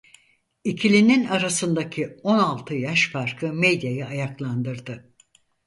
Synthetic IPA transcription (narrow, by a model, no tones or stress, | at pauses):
icʰilʲininaɾasɯnd̪acʰio̞nalˠt̪ʰɯjaʃfaɾkʰɯmed̪jajɯajaklˠand̪ɯɾd̪ɯ